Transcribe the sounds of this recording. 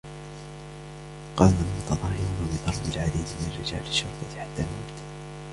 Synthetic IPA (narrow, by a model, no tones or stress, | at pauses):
qɑːnalmʊt̪ɑd̪ˤɑːhɪɾuːnabɪt̪ˤɑɾˤbɪlʕad̪iːd̪mɪnarːɪd͡ʒa̰ːlɪʃːʊɾˤt̪ˤɑt̪ħat̪ːalmʊ̰mt̪